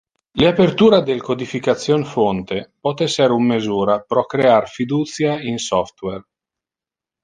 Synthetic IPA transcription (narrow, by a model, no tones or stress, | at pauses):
leapert̪uːɾad̪elkod̪ifikat̪sːjonfont̪epɔt̪ɛseɾumːezuːɾapɾɔkɾeearfid̪uːt̪sjainsɔft̪wɛr